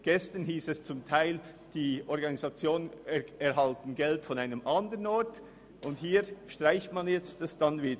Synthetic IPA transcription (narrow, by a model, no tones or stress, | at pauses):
ɡ̥ɛstənɦiːsɛst͡sʊmtʰaɪl | d̥iːʔɔɾɡɑniz̥ɑt͡sjoːnənɛɾɦɑltn̩ɡɛltfɔnaɪnəmʔɑndəɾənɔɐt | ʔʊndhiːɾʃtʁ̥aɪçtmɑnjɛt͡std̥ɑsd̥ɑnviːdə